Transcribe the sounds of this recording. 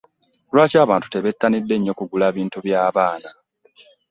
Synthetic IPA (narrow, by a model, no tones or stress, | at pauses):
lwaːcaːβaːntu̥te̞βetːanidːe̞ɲːo̞kuɡulaːβiːntuβjaːβaːna